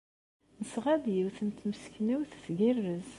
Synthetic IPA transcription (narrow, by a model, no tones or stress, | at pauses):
nəsʁæd̪jiwθənt̪məskniwθsɡirːəz